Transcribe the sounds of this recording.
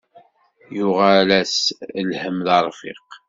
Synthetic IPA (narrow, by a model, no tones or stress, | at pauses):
jʊʁalæslhəmðɑɾˤfḭq